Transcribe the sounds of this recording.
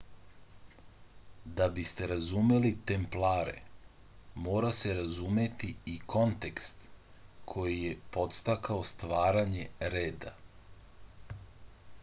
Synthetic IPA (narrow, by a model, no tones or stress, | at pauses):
d̪abist̪e̞ɾazume̞lit̪e̞mplaːɾe̞̰ | mo̞ːɾase̞ɾazume̞t̪iikʰo̞nt̪e̞kst̪kʰo̞jije̞po̞t̪st̪akao̞st̪ʋaːɾaɲe̞ɾeːd̪a